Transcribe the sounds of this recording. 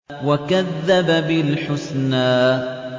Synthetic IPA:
wakaðːababɪlħʊsnaː

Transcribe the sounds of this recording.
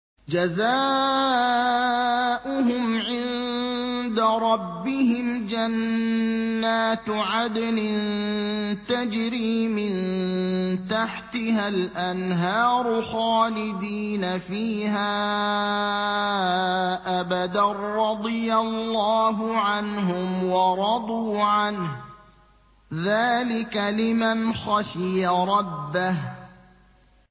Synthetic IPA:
d͡ʒazaː | ʔʊɦʊmʕɪnn | d̪aɾˤɑbːɪhɪmd͡ʒanː | aːt̪ʕad̪nɪnnt̪ad͡ʒɾiːmɪn | t̪aħt̪ɪhalʔanɦaːɾˤʊxaːlɪd̪iːnafiːhaː | ʔabad̪arːɑd̪ˤɨjalːɑːɦʊʕanɦʊmwɑɾˤɑd̪ˤuːʕanh | ðaːlɪkalɪmanxɑʃɪjaɾˤɑbːah

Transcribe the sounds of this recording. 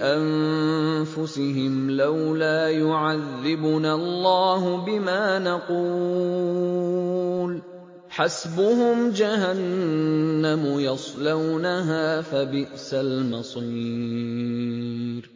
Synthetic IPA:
ʔan | fʊsɪɦɪmlawlaːjʊʕaðːɪbʊnalˤːɑːhʊbɪmaːnɑquː | l | ħasbʊhʊmd͡ʒahanː | amʊjɑsˤlawnaɦaːfabɪʔsalmɑsˤiː | ɾ

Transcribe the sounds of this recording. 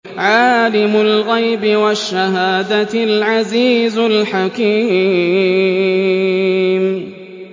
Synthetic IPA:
ʕaːlɪmʊlɣajbɪwaʃːaɦaːd̪alʕaziːzlħakiː | m

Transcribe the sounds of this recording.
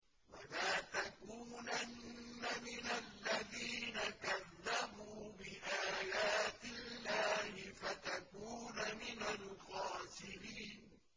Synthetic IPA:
wa̰laːt̪akuːnanːamɪnalːaðiːnakaðːabuːbɪʔaːjaːt̪ɪlːaːhɪfat̪akuːnamɪnalqɑːsɪɾiːn

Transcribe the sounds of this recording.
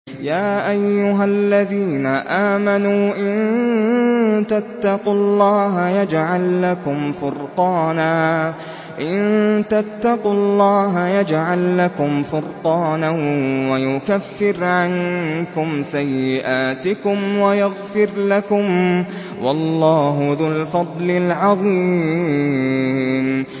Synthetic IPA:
jaːʔajːʊɦalːaðiːnaʔaːmanuːʔɪn | t̪at̪ːɑqʊlˤːɑːɦajad͡ʒʕalːakʊmfʊɾqɑːnaː | ʔɪnt̪at̪ːɑqʊlˤːɑːɦajad͡ʒʕalːakʊmfʊɾqɑːnawajʊkafːɪɾʕankʊmsajːɪʔaːt̪ɪkʊmwajaɣfɪɾlakʊm | wɑlˤːɑːɦʊðʊlfɑd̪ˤlɪlʕɑðˤiː | m

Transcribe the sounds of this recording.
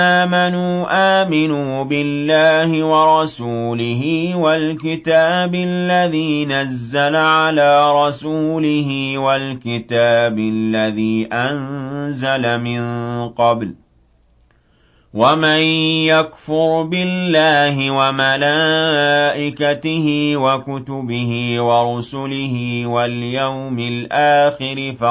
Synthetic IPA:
ʔaːmanuːʔaːmɪnuːbɪlːaːhɪwɑɾˤɑsuːlɪɦɪːwalkɪt̪aːbɪlːaðiːnazːalaʕalaːɾˤɑsuːlɪhɪwalkɪt̪aːbɪlːaðiːʔanzalamɪnqɑbl | wamanjakfʊɾbɪlːaːhɪwamalaːʔɪkat̪ɪhɪwakʊt̪ʊbɪhɪːwɑɾˤʊsʊlɪhɪwaljawmɪlʔaːxɪɾɪfa

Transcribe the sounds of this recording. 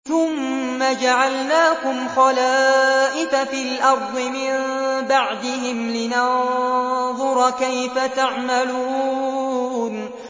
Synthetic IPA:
θʊmː | ad͡ʒaʕalnaːkʊmxɑlaːʔɪfafiːlʔɑɾˤd̪ˤɨmɪmbaʕd̪ɪɦɪmlɪnɑ | ðˤʊɾˤkajfat̪aʕmaluː | n

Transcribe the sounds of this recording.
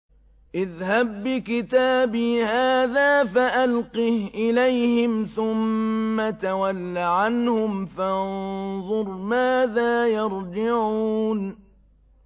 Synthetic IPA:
ʔɪðhab̚ːɪkɪt̪aːbiːhaːðaːfaʔalqihʔɪlajhɪmθʊmːat̪awalːaʕanhʊmfanðˤʊɾˤmaːðaːjɑɾˤd͡ʒɪʕuːn

